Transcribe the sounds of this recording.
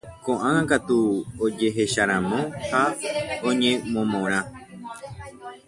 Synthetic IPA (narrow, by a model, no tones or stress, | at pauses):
kõʔãŋãkat̪uod͡ʒe̞ɦe̞ʃaɾ̃ãmõhaõɲẽmõmõɾ̃ã